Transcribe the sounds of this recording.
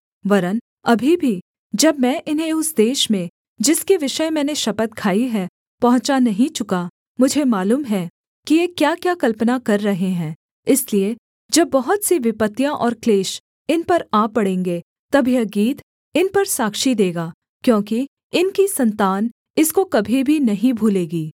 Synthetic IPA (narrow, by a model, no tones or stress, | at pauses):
ʋɐɾən | ɐbʱibʱi | d͡ʒɐbmɛ̃ʔɪnɦẽʊsd̪eːʃmẽ | d͡ʒɪskeʋɪʃəemɛ̃ːneʃɐpət̪̚kʰaːiɦɛ̃ | pɐɦʊ̃t͡ʃanɐɦĩt͡ʃʊka | mʊd͡ʒʱemaːluːmɦɛ | kijekjaːkjaːkɐlpnakɐɾːɐɦeɦɛ̃ː | ɪslie | d͡ʒɐbːɐɦʊt̪siʋɪpət̪ːijãʔɔːɾkleːʃ | ɪnpɐɾaːpɐɽẽːŋɡe | t̪ɐbʱijaɡiːt̪ | ɪnpɐɾsaːkʃid̪eːɡaː | kjõːki | ɪnkisɐ̃nt̪aːn | ɪskokɐbʱibʱinɐɦĩbʱuːleːɡiː